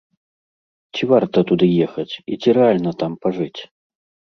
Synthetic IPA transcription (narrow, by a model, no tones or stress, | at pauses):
t͡sʲivart̪ɐt̪ud̪ɨjɛxɐt͡sʲit͡sʲiɾɛalʲnɐt̪ampaʐɨt͡sʲ